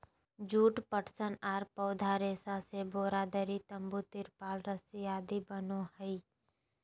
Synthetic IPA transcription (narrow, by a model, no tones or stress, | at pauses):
d͡ʒuːʈpəʈsənaːɾpɔːd̪ʱaɾeːsaseboːɾaːd̪əɾit̪ə̃mbut̪ɪɾpaːlɾəsijaːd̪ibənohəiː